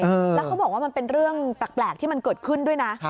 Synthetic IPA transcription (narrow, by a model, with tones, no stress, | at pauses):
əː˧lɛː˦˥kʰa˦˥wbɔː˨˩kwaː˥˩m˧npe˧nɾɯ˥˩əŋpɾa˨˩k̚plɛː˨˩k̚t̪ʰiː˥˩ma˧nkɤː˨˩t̪̚kʰɯ˥˩ndu˥˩əjna˦˥ʔ